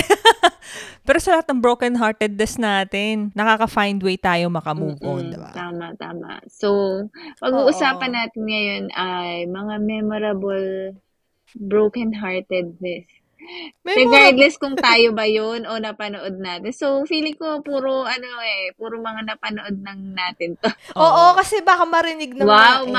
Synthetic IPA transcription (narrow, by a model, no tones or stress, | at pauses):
pɛːɾosɐlɐhat̪nɐŋbɹowkɐnɦaɹt̪ɛd̪̚nɛsnaːt̪ɪnːɐkaːkɐfajnd̪wejt̪aːjo̞mɐkɐmuːɡod̪ɪba̰t̪aːmɐʔt̪a̰ːmɐ̰ʔsowpɐɡuːʔʊsaːpɐnːaːt̪ɪnŋɐjo̞nʔɐjmɐŋamɛmoɾɐbɐl | bɹowkɐnɦaɹt̪ɛd̪̚nɛs | mɛɾɛɡaɹd̪lɛskʊŋt̪aːjo̞bɐjonʔo̞nɐpɐnoʔo̞d̪̚naːt̪ɪnsowfiːlɪkopuːɾoʔɐnoɛpuːɾomɐŋanɐpɐnoʔod̪̚nɐŋnaːt̪ɪnt̪ooːʔokɐsɛbaːkɐmɐɾɪnɪɡ̚nɐwawm